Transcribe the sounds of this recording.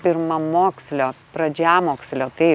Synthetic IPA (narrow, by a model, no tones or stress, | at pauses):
pʲɪɾmɐmoːksʲlʲoːpɾɐd͡ʒʲæːmoːksʲlʲoːt̪ɐɪ